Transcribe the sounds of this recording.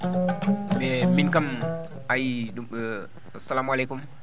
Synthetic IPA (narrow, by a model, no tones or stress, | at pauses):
bɛminkam | ajiɗuə | salamalekum